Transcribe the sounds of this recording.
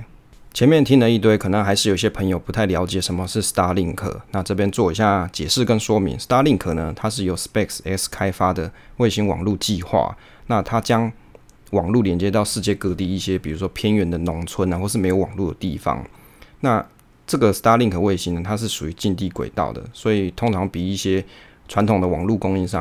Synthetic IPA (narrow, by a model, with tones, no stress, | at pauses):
t͡ɕʰjɛ˧˦nmjɛ˥˨nt̪ʰi˥nd̪ə˨i˥˧t̪we˥˩ɪkʰɤ˨˩nɤə˧˦ŋxa˧˥ɪʂɻ̩˥˩o˨˩i˩ɕjɛ˥pʰɤə˧˥ŋjo˨˩ʊpu˧˥t̪ʰa˥˩ɪljɑ˧˥ʊt͡ɕjɛ˨˩ʂə˧˦nmə˧ʂɻ̩˥˩st̪a˥li˥˩ŋkʰɤ̰˨˩˦na˥˧ʈ͡ʂɤ˥˩p̬jɛ˥˦nt͡swɔ˥˩i˧˥ɕja˥˩t͡ɕjɛ˨˩ʂɻ̩˥˩kə˦˥nsʂwɔ˥mḭ˧˥ŋst̪a˥li˥˩ŋkʰɤ˨˩nə˦t̪ʰa˥ʂ̬ɻ̩˥˩jo˨˧˥ʊspɛ˥˧˩ksɛ˥skʰa˥ɪfa˥d̪ə˨we˥˩ɪɕi˧˥ŋwɑ̰˨˩ŋlu˥˧t͡ɕi˥˧xwa̰˥˩ | na˥˧t̪ʰa˥t͡ɕjɑ˥ŋ | wɑ˨˩ŋlu˥˩ljɛ˧˥nt͡ɕjɛ˥t̪ɑ˥˧ʊʂɻ̩˥˧t͡ɕjɛ˥˧kɤ˥˧t̪i˥˧i˥˩ɕjɛ˦pi˨˩ɻu˧˥ʂwɔ˥pʰjɛ˥nɥɛ˧˥nd̪ə˨nʊ˧˥˦ŋt͡sʰwə˦na˧xo˥˧ʂɻ̩˥˩me˧˥ɪjo˧˥ʊwɑ˨ŋlu˥˩d̪ə˩t̪i˥˩fɑ̰˧˥ŋ | na˥˧ | ʈ͡ʂɤ˥˩ɡə˩st̪a˥li˥˩ŋkʰɤ˨˩˦we˥˩ɪɕi˥ŋnə˨t̪ʰa˥ʂ̬ɻ̩˥˩ʂu˨˩y˧˦t͡ɕi˥˧nt̪i˥˩kwḛ˨˩ɪt̪ɑ̰˥˩ʊd̪ə̰˩swɔ˧˥i˨˩t̪ʰʊ˥ŋt͡sʰɑ˧˥ŋpi˨˩i˥˩ɕjɛ˥ | t͡sʰwa˧˦nt̪ʰʊ˨˩ŋd̪ə˦wɑ˨˩ŋlu˥˩kʊ˥ŋi˥˧nʂɑ˥˨